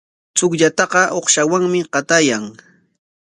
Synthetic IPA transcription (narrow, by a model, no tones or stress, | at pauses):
t͡sʊkʎat̪ɑqɑʔoχʃawaŋmɪqɑt̪ajaŋ